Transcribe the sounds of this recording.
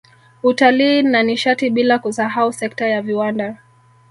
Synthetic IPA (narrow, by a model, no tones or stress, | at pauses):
utaliːnaniʃatiɓilakusaɦausɛktajaviwanda